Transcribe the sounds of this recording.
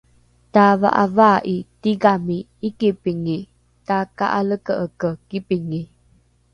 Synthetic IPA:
tava̰ʔavaʔitiɡamiːkipiŋi | taka̰ʔaləkəʔəkəkipiŋi

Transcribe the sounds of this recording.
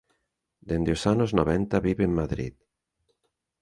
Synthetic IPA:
d̪end̪eosanoznoβɛnt̪aβiβeemmaðɾḭt̪

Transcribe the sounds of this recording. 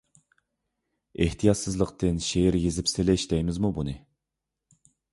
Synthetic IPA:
eht̪ʰijɑt̪sɨzlˠəqt̪ɨnʃeɾjezɪpsɪlɪʃd̪ɛjmɪzmubunɨ

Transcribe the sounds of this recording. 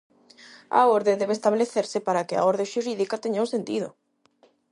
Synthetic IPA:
a̰oɾðed̪ɛβ̞est̪aβleθeɾsɪpaɾakɪa̰oɾðẽʃuɾiðikat̪eɲaũsent̪ið̞ʊ̰

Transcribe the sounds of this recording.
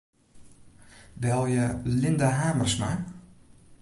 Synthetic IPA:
ʋɛlˠjəlɪnd̪aɦaːmərsma

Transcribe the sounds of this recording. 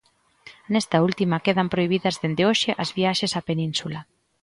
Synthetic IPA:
nest̪ɐult̪imɐkeðɐmpɾoiβ̞iðɐzðend̪eoʃeʔɐzβiaʃesapenĩnsula

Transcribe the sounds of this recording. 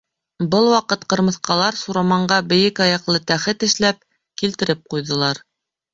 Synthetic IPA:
bɤlˠwɑqɤt̪qɤ̆ɾmɤ̆θqɑlˠɑɾsuɾɑmɑɴɢɑbɘ̆jɘkɑjɑqlˠɤt̪æχɘt̪ɘ̆ʃlæp̚ | kilt̪ɘ̆ɾɘp̚qujðɤ̆lˠɑɾ

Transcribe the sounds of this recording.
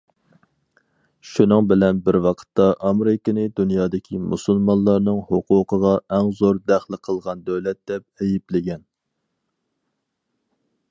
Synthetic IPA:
ʃunɨŋbɪlɛnbɪɾwɑqʰə̥t̪ːɑʔɑmɾɪkʲɪnɨd̪unjɑːd̪ɪkʲʰimṵsulˠmɑnlˠːɑɾnɨŋhoqʰuːqəʁɑʔɛŋzoɾd̪æχlˠɪqʰəlˠʁɑnd̪øwlɛt̪̚d̪̥ɛp̚ɛjiplɪɡʲɛn

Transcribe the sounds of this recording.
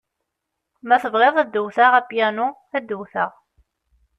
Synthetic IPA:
mæθəvʁeðˤæd̪ːəwθaʁæpjænʊ | æd̪ːəwθəʁ

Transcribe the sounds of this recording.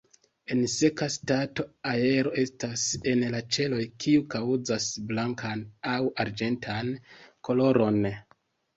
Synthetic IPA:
e̞nse̞kastato̞ae̞ɾo̞e̞stase̞nlat͡ʃe̞lo̞jkʰiukawzasblaŋkʰanawaɾd͡ʒe̞ntʰanko̞lo̞ɾo̞n

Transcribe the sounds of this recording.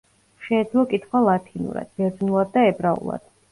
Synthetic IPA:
ʃɛːd̪zlˠɔkʼit̪ʰχwalˠat̪ʰinṵɾa̰d̪̥̚bɛɾd̪nulˠad̪̚ːaɛbɾaṵlˠa̰d̪̥

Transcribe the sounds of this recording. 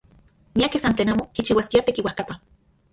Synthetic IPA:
miakesant͡ɬeːnaːmokit͡ʃiwaskiat̪ekiwahkapa

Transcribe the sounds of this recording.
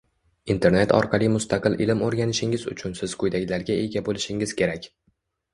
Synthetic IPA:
int̪ʰe̞ɾne̞t̪ʰɒ̰ɾqʰɑlˠɪmʊst̪ʰɑqɨlˠʔɪlɪmoɾɡʲanɪʃɪŋɪzʊ̰t͡ʃʰʊnsɪz̥qʰʊjd̪aɡʲlaɾɡʲae̞ɡʲabolɪʃɪŋɪzkʲʰe̞ɾakʲ

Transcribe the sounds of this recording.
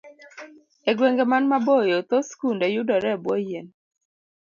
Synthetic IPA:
eɡweŋɡemanmabojot̪oskundejʊdɔɾɛbwɔjen

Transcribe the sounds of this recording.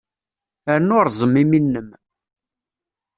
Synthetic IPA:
əɾnʊɾˤzˤəmːiminːəm

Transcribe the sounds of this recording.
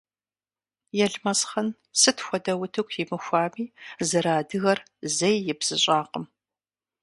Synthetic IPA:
jɛɮmɐsχɐn | sɨtʰxʷɔdɐwʊtʰɨkʷʰjɪmɨxʷɑːmiːzɨɾaːdɨɣɐr | zɐjːɪbz̥ɨɕʼaːqəm

